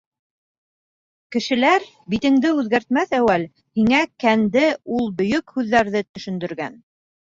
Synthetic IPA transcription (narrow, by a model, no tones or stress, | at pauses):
kɘ̆ʃɘ̆læɾ | bit̪ɘ̆ŋd̪ɘʉðɡæɾt̪mæθæwæl | hiŋækænd̪ɘulˠbɵ̆jɵkhʉðːæɾðɘt̪ɵ̆ʃɵ̆nd̪ɵ̆ɾɡæ̰n